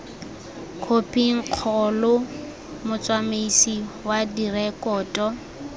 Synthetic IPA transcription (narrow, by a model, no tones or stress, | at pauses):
kʰopʼiŋ̩q͡χʰɔlʊ | mʊt͡sʼwamesiwadirɛkʼɔːtʼɔ